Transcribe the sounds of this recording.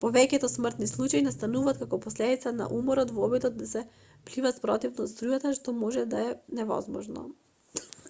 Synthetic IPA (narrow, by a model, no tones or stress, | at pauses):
pɔvɛcɛt̪ɔsmr̩t̪nislˠut͡ʃainast̪anuvaːt̪̚kakɔpɔslɛd̪it̪sana̰ʔumɔɾɔt̪vɔbid̪ɔd̪̚ːasɛ | plivat̪spɾɔt̪ivnost̪ɾujat̪aʃt̪ɔmɔʒɛd̪aɛnɛvɔ̰zmɔ̰ʒnɔ̰